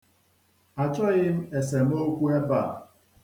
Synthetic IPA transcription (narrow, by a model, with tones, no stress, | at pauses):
a˨t͡ʃɔ˦i˦m̩˦e˨se˨m˦o˦kʷu˦e˦pa˦˨